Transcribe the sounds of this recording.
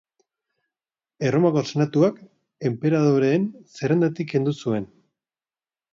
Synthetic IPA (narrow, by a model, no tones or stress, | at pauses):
e̞romako̞se̞nat̪uak | e̞mpe̞ɾað̞o̞ɾe̞ːnseɾand̪at̪ike̞nd̪usue̞n